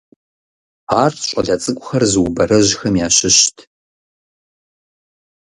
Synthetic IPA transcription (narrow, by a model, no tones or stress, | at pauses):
aːrʰɕʷʼɐɮɐt͡sʼɨkʷʼʊxɐrzɨwʊbɐɾɐʑxɐmjaːɕɪɕtʰ